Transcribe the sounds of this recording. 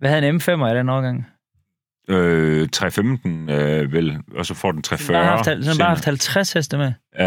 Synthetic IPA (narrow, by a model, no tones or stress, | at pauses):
ʋæhæðˠenemfem̰ɐæɾenɒʊɡ̥ɑ̈ŋ̰ | øt͡sʰʁɛfemd̥n̩ʋelɒsɒfɒ̰d̥en̩t͡sʰʁɛfɶɐhɑfd̥hæsɒnb̥ɑːhɑfd̥hælt͡sʰʁashesd̥əme